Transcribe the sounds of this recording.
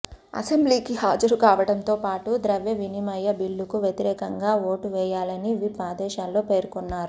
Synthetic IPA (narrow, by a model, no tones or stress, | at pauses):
ɐ̰sembliːkihaːd͡ʒɐɾukaːʋɐɽɐnt̪o̞ːpaːʈud̪ɾɐʋjɐʋinimɐjːɐbilːukuʋjɐt̪iɾɛːkɐŋɡaːoːʈuʋɛːjaːlɐniʋipaːd̪ɛːʃaːlːo̞ːpe̞ːɾkunːaːɾu